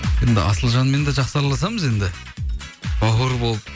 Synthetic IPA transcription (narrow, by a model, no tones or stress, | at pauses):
je̞nd̪ɪ̰ʔɑ̰səlˠʒɑnme̞nd̪eʒɑqsɑɾlˠɑs̬ɑməze̞nd̪ɪ | boɦəɾbo̞lˠəp